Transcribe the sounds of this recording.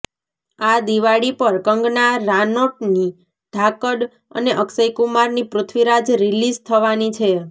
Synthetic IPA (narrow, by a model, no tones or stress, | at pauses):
ad̪iʋaɽipəɾkəŋɡnaɾanoʈ̚ni | ɖ̥̪ʱakəɖ | ə̰neʔəksəjkumaɾnipɾʊt̪ʰʋiɾad͡ʒɾilizt̪ʰəʋanit͡ʃʰe